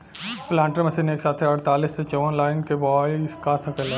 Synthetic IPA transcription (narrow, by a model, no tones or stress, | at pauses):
plãːɳʈəɾmɐsineːksaːt̪ʰeɐɽt̪aːliːsːet͡ʃɔʋənlaːɪnkeʋɔːjskasɐkəlɛ